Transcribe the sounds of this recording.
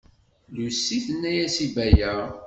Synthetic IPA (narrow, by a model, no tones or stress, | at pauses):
lusːiθənːæjæsibæjæ